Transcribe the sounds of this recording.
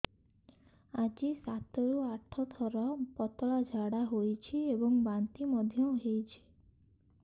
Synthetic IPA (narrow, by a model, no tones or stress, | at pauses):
ad͡ʒisat̪ɔɾuaʈʰɔt̪ʰɔɾɔpɔt̪ɔɭad͡ʒʱaɽaɦojt͡ʃʰiebɔŋbant̪imɔd̪ʱjɔɦejt͡ʃʰi̥